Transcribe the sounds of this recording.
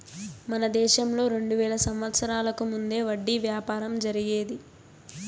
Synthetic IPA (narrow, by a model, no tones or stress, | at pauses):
mɐnɐd̪ɛːʃɐmlo̞ːɾe̞ɳɖuʋɛːɭɐsɐmʋɐt̪sɐɾaːlɐkumund̪e̞ːʋɐɖːiʋjaːpaːɾɐmd͡ʒɐɾiɡe̞ːd̪i